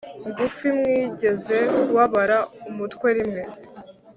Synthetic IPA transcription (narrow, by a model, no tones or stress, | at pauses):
ŋɡufimŋiːɟe̞ze̞uuwaβaɾaumutkwe̞ɾimŋe̞